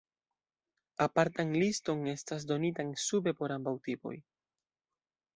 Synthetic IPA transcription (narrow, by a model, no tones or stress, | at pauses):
apaɾtaŋlisto̞ŋe̞stas̬do̞nitaŋsube̞po̞ɾambawtipo̞̰j